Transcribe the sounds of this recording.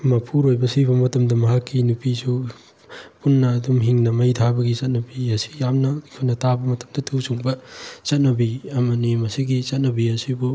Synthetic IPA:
mɐpʰuɾojbɐsiβɐmɐtɐmdɐmɐɦakʰːinupisu | punːɐːdumɦiŋnɐmɐjtʰabɐɡit͡ʃɐt̚nɐbiɐsi̥jamnɐkʰonɐtʰabɐmɐtɐ̥mdɐtʰuwsuŋbɐt͡ʃɐt̚nɐbiɐmɐnimɐsiɡit͡ʃɐt̚nɐbiɐsibu

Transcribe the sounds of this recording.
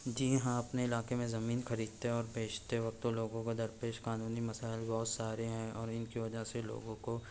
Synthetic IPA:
d͡ʒiɦãɐpneɪlaːkemẽzɐmiːnxɐɾiːd̪̚t̪eɦɔːɾbʱeːd͡ʒt̪eʋɐk̚t̪oloːɡõkod̪ɐɾpeːʃkaːnuːnimɐsaːɪlbɔɦʊt̪saːɾeɦɛ̃ɔːɾɪnkiʋɐd͡ʒaselo̰ːɡõko

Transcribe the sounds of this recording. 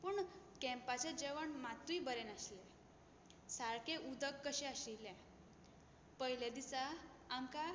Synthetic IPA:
puɳkɛ̃mpat͡ɕed͡ʑeʋəɳmat̪uibəɾenaɕilɛ | saɭkeʔud̪əkːəɕɛəɕilɛ̃ | pəɦiled̪isaː | mka

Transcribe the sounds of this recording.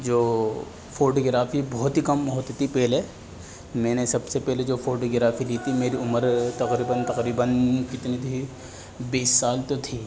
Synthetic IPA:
d͡ʒoː | foːɾɖɡɪɾaːfibɔːt̪ikɐmɦoːt̪t̪ipɛɦle | mɛ̃ːnesɐbsepɛɦled͡ʒoːfoːɾɖɡɪɾaːfiliːt̪imeːɾiʊməɾt̪ɐqɾiːbənt̪ɐqɾiːbənkɪt̪nit̪i | biːsːaːlt̪ot̪ʰiː

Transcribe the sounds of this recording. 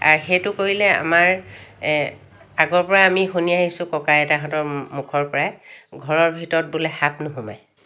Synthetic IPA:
a̰ɹxejtʊkoɹilɛa̰maɹ | aɡɔɹpɔɹaːmixuniaɦisʊ̃kɔkajɛtaɦɔ̃tɔɹmukʰɔɹpɔɹajɡʱɔɹɔɹbʱitɔɹɔt̚bulɛxap̚nʊɦuma̰j

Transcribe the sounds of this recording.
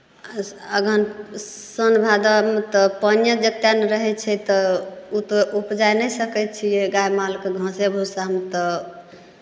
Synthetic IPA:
əɡʱən | sənbʱad̪amet̪ɔpənjəd͡ʒət̪ːjaneɾəɦɛt͡ʃʰɛt̪ɔut̪oupd͡ʒajnɛjsəkɛt̪t͡ʃʰijeɡajmalkeɡʱə̃sebʱusamet̪ɔ

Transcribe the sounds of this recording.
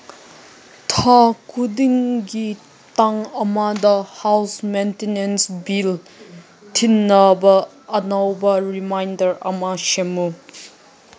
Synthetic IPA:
tʰakudiŋɡi | taŋɐmadɐhawsmentenensbil | tʰinːɐbɐː | nawbɐɾimajndɐɾɐ̰maʃemu

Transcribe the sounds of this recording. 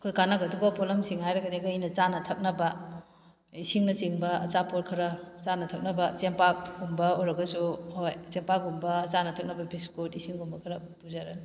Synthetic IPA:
kʰojkanɐɡɐduɡɐpɔlɐmsiŋɦajɾɐɡɐdeɡɐijnɐt͡ʃanɐtʰɐk̚nɐbɐ | isiŋnɐsiŋbɐɐ̰t͡ʃapoɾkʰɐɾɐt͡ʃanɐtʰɐk̚nɐbɐt͡ʃempak̚ɡumbɐoɾɐɡɐsuhojt͡ʃempakumbɐːt͡ʃanɐtʰɐk̚nɐbɐbiskutisiŋɡumbɐkʰɐɾɐ | puzaɾɐ

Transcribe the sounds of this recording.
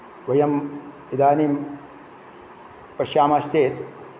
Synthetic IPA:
ʋɐjɐm | id̪aːnim | pɐʃjaːmast̪eːt̪

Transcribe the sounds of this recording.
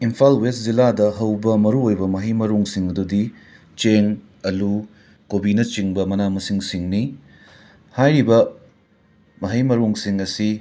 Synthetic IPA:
impʰalwest̚ziladɐɦɐwbɐmɐɾuojbɐmɐɦɐjmɐɾoŋsiŋɐdudi | t͡ʃeŋ | ɐlu | kobinɐt͡ʃiŋbɐmɐnamɐsiŋsiŋni | hajɾibɐ | mɐɦɐjmɐɾoŋsiŋɐsi

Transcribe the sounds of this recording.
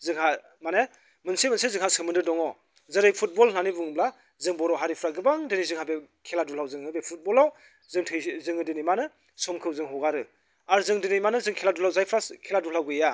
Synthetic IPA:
zɯŋha | mane | mɯnsemɯnsezɯŋhasɯmɯndɯdɔŋɔ | zɯɾɯjpʰut̚bɔlnanibuŋbla | zɯŋbɔɾɔwɦaɾipʰɾaɡɯbaŋdɯnizɯŋɦabe | kʰeladulawzɯŋɯbepʰut̚bɔlaw | zɯŋtʰɯjzɯŋɯdinijmanɯ | sɔmkʰɯwzɯŋɦɔwɡaɾɯ | aɾzɯŋdinijmanɯzɯŋkʰeladulawzajpʰɾakʰeladulawɡɯja

